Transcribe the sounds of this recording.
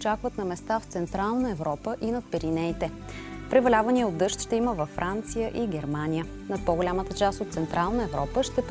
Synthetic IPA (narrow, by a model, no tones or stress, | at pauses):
t͡ʃakvət̪nɐmɛst̪aft̪sɛnt̪ɾalˠnəɛvɾɔpəʔinɐt̪̚pɛɾinɛjt̪ɛ | pɾɛvɐlʲavəniəod̪ɤʃt̪ʃt̪ɛiməvɐfːɾʔant̪sijəʔiɡʲɛɾmanʲijə | nɐt̪̚pɔɡʊlʲamət̪ət͡ʃast̪ot̪t̪sɛnt̪ɾʔalˠnəɛvɾɔpəʃt̪ɛp